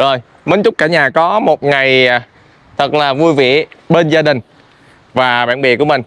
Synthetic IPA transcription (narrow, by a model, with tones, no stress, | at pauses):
zo˨˩j | mə˨˦nt͡ɕʊ˦˥k͡p̚kaː˧˩ɲaː˨˩kɔ˨˦mo˨˩t̚ŋa˨˩j | t̪ʰə˨˩k̚laː˨˩vu˧jvḭ˧˨əɓe˧nzaː˧ɗï˨˩ŋ̟ | vaː˨˩ɓaː˧˨nɓḭ˧˨ku˧˩əmï˨˩ŋ̟